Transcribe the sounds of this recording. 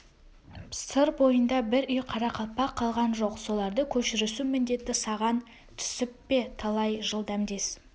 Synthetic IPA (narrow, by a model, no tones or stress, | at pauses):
səɾbo̞jənd̪ɑbɪɾʏjqʰɑɾɑqʰɑpɑqʰːɑlˠʁɑnʒo̞qso̞lˠɑɾd̪əkʲʰɵʃɪɾesumɪnd̪e̞t̪ːɪsɑʁɑn | t̪ʰʏ̥sɪpːe̞t̪ʰɑlˠɑjʒəlˠd̪ɑmd̪e̞s